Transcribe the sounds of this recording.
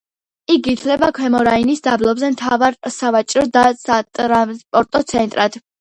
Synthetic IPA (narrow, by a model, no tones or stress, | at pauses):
ikit̪ʰlɛbakʰwɛmɔɾainisd̪ablˠɔbzɛmt̪ʰavaɾsavat͡ʃʼɾɔd̪asat̪ʼɾaspʼɔɾt̪ʼɔt̪sʰɛnt̪ʼɾad̪̥